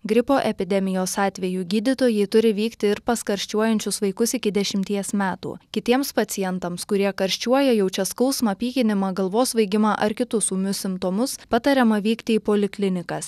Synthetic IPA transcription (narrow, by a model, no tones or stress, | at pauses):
ɡɾʲɪpoːʔɛpʲɪd̪ʲɛmʲɪjoːsɑːt̪ʲʋʲɛjuːɡʲiːd̪ʲɪt̪oːjɛɪt̪ʊɾʲɪʋʲiːkt̪ʲɪɪɾpɐskɐɾʲʃʲt͡ʃʲuɔjɛnʲt͡ʃʲʊsʋɐɪkʊsɪkʲɪd̪ʲɛʃʲɪmʲt̪ʲiɛsmʲæːt̪ṵːkʲɪt̪ʲiɛmspɐt̪sʲɪjɛnt̪ɐmskʊɾʲiɛkɐɾʲʃʲt͡ʃʲuɔjɛjɛʊt͡ʃʲɛskɐʊsmɑpʲiːkʲɪnʲɪmɑːɡɐlˠʋoːsʋɐɪɡʲɪmɑʔɐɾkʲɪt̪ʊsuːmʲʊsʲɪmt̪oːmʊspɑt̪ɐɾʲɛmɐʋʲiːkt̪ʲɪiːpoːlʲɪklʲɪnʲɪkɐs